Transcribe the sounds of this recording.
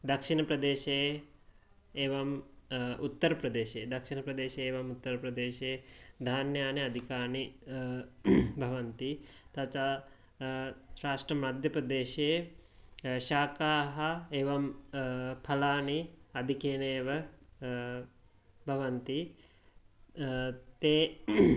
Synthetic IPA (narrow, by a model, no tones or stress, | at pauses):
d̪ɐkʂinɐpɾɐd̪eːʃeː | eːʋɐm | ṵt̪ːɐɾɐpɾɐd̪eːʃeːd̪ɐkʃinɐpɾɐd̪eːʃeeːʋɐmut̪ːɐɾɐpɾɐd̪eːʃeːd̪ʱaːnjaːniɐd̪ʱikaːni | bʱɐʋɐnt̪it̪ɐt͡ʃaː | ʃɾaːʂʈɾɐmɐd̪ʱjɐpɾɐd̪eːʃe | ʃaːkaːɦɐeːʋɐm | pʰɐlaːniɐd̪ʱikeːneːʋɐ | bʱɐʋɐnt̪i | t̪eː